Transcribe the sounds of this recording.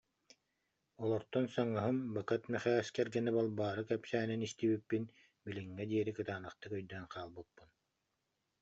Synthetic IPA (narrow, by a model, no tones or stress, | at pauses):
ɔlˠɔɾt̪ɔnsaŋɯɦɯmbakɯt̪mɛχɛːskɛɾɡɛnɛbalˠbaːɾɯkɛpsæːninist̪iːbipːin | biliŋːɛd̪iɛɾikɯt̪aːnɯχt̪ɯkœjd̪œːnqʰaːlˠbɯpːun